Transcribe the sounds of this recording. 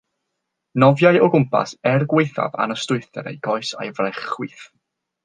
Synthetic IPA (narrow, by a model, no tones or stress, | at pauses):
nɔvjajɔɡʊmpʰa̰sɛrɡwejθa̰va̰nəstʊɨθɛ̰ɾḛjɡɔɨsa̰jvrɛχwiθ